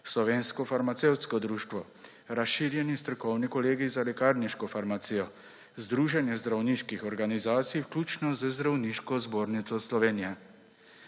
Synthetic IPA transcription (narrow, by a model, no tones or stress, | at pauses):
slɔʋeːnskɔfaɾmat̪sewt̪skɔd̪ɾuːʃt̪ʋɔ | ɾasʃiːɾjɛnist̪ɾɔkɔwnikɔleːɡizalɛkaːɾniʃkɔfaɾmat̪sijɔ | zd̪ɾuːʒɛnjɛzd̪ɾawniʃkixɔɾɡanizaːt̪sijwklʲuːt͡ʃnɔzəzd̪ɾawniʃkɔzboːɾnit̪sɔslɔʋeːnijɛ